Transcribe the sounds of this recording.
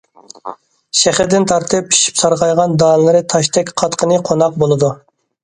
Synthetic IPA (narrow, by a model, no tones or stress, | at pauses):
ʃɛχɪɾd̪ɪnt̪ʰɑɾt̪ʰɨp̚i̥ʃi̥psɑɾʁɑjʁɑnd̪ɑnlˠɨɾɨt̪ʰɑʃt̪ʰɛkʲqʰɑt̪qʰənɨqʰonɑq̚bolˠɨd̪u